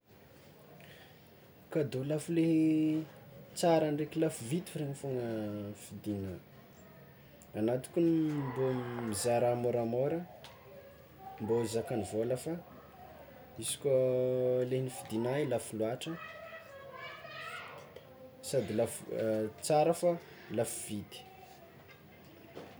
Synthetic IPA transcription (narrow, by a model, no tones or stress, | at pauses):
kad̪ulafule | t͡saɾaɳɖ͡ʐekilafuvit̪ureɲifoŋəfid̪ina | anat̪i̥kʲunmbomizaɾamoɾamoɾə | mbozakanivolafa | isi̥kʲolenifid̪inailafuluaʈ͡ʂə | sad̪ilaft͡saɾəfa | lafuv̥it̪i̥